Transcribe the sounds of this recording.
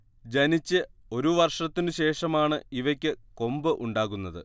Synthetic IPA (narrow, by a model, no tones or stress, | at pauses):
d͡ʑɐnit͡ɕːɨo̞ɾuʋɐrʂɐt̪ːinɨɕe̞ːʂɐmaːɳɨiʋɐkʲːɨko̞mbɨʔuɳɖaːɣunːɐðɨ̰